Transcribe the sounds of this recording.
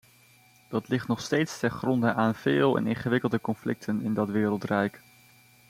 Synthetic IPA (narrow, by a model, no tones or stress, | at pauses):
d̥ɑtlɪχtnɔχstejtstɛnχrɔndəʔaːnv̥ɪːlˠɛ̰nɪnχəʋɪkəlˠdəkɔnflɪ̰k̚tʰənɪndɑtʋɪːɾəlˠtrɛjk